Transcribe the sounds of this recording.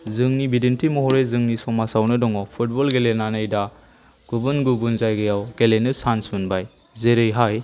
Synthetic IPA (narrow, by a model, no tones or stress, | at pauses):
zɯŋnibidentʰimɔɦɔɾezɯŋnisɔŋmasawnɐdɔŋɔpʰut̚bɔlɡelenanɯjda | ɡ̥ubunɡubunzajɡɐjawɡelenɯsansmunbaj | zeɾɯjɦaj